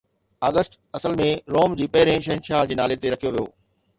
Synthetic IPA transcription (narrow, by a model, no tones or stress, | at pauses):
aːɡəsʈ | ɐsəlmẽɾoːmd͡ʑiːpɐɦɪɾẽʃ̬ɐɦɪ̃nʃaːɦd͡ʑiːnaːlet̪eɾɐkʰijoʋijo̰ː